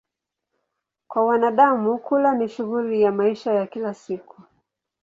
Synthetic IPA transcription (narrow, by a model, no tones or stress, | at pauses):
kwawanaɗamukulaniʃuɣulijamaiʃajakilasiku̥